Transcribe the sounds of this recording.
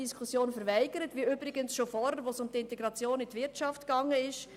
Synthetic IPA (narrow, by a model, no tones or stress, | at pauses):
iskʰusjoːnfəɾʋæɪɡ̥əɾətʋiybɾɪɡənsʃofɔɾəɾʋosʊmtɪntɛɡɾɑt͡sjoːnɪtʋɪɾtt͡ʃɑftkɑŋːəɪʃ